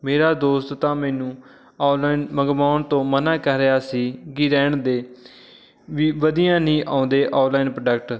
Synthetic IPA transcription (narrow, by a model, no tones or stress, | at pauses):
meːɾaːd̪oːst̪t̪ãːmɛːnũː | ɔːlaːinməɡmaːnt̪õːmənãːkəɾeaːsiːkɪɾɛːɳd̪eː | ʋiːʋəd̪ijãːnĩːʔãːʊ̃nd̪eːʔaːlaːiːnpɾəɖəkʈ